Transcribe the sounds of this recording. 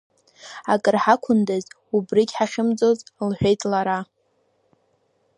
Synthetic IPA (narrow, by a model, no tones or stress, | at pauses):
akʼɨrħakʷʰʊndaz | ubrikʲħaχʲɪmd͡zʼozʼlħʷᶣe̞jtʼlaɾa